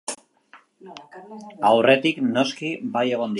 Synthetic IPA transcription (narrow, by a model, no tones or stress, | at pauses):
awre̞t̪ikno̞skibaje̞ɣ̞o̞nd̪